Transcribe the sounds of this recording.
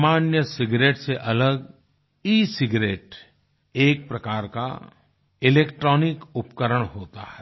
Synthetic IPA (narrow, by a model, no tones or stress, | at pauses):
maːnjəsɪɡɾeːʈseʔɐləɡ | iːsɪɡɾeːʈ | eːk̚pɾɐkaːɾka̰ | ɪleːkʈɾɔːnɪkʊpkəɾəɽ̃ɦoːt̪a̰hɛ